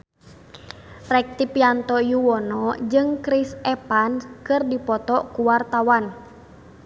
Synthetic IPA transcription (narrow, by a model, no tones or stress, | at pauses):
rɛk̚t̪ipiant̪ɔjuwɔnɔd͡ʒɨŋkɾisɛpankɨrdipɔt̪ɔkuwart̪awan